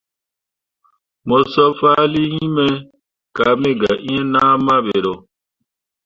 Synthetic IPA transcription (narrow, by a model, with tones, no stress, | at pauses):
mo˨sɔ˦fa˦li˦ɲĩ˦mɛ˦ | ka˨˦me˦ɡa̰˨ʔĩ˦ɛ̃˦nã˦mã˦be˨ɾo˨